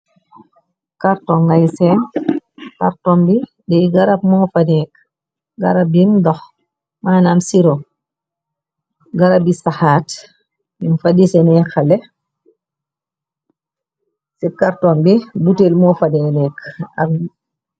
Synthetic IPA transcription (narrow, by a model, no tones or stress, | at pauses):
kaɾtɔŋɡajsɛn | kaɾtombi | dɛɡaɾap̚mɔːfadɛk | ɡaɾab̚imdɔx | maːnamsiɾo | ɡaɾabisaxaːt | dimfadisɛnɛxalɛ | sikaɾtombibutelmɔːfadɛnɛka̰